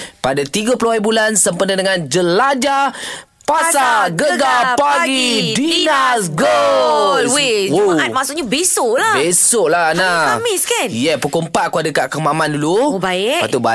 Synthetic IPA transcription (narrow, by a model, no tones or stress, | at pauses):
padat̪iɡapəluaibulansəmpənədəŋand͡ʒəlad͡ʒa | passaɡəɡapaɡidinnasɡəlwewoat̚maʔsʊʔɲabesʊʔlabesoʔlanaamiskanjɛpəkompaʔ̚kuadəkaʔkəmamãndulubaɪat̪uba